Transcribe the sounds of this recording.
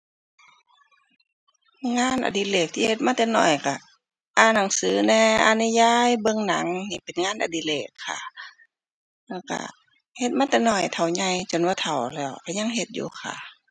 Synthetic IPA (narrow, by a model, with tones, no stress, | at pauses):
ŋaː˧˥˨nʔa̰˧˩diː˧˩leː˧˩k̚t̪ʰiː˧˨he˧t̪̚maː˧˥˨t̪ɛː˧nɔ̰˧˩jka˧˩ | ʔaː˧˩na˨˦ŋsɯː˨˦nɛː˧ʔa̰˧ni˧˨jaː˧˥˨jbɤ˧˨ŋna˨˦ŋni˧˨pe˨nŋaː˧˥˨nʔa̰˨˧˩di˧leː˧˩kʰːa̰˧˩ | la˧˩ka̰˧˩ | he˧t̪̚maː˧˥˨t̪ɛː˧˦nɔ˧˩jt̪ʰa˨˩wɲa˧˩jt͡ɕo˨˩nwaː˧t̪ʰa˨˩wlɛː˧˩wka˧˩ɲa˧˨ŋɦe˧t̪̚jṵː˧kʰa̰˧˩